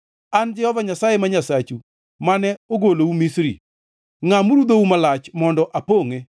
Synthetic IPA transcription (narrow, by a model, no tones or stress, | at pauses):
and͡ʒɛhɔvaɲasajemaɲasat͡ʃu | manɛoɡoloumisɾḭ | ŋamuɾud̪oumalat͡ʃmɔndɔʔapoŋe